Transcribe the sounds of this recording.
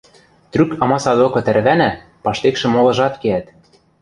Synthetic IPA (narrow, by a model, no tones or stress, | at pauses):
t̪rykɑmɑsɑd̪okɤ̆t̪ærβænæ | pɑʃt̪ekʃɘ̆molɤ̆ʒɑt̪keæt̪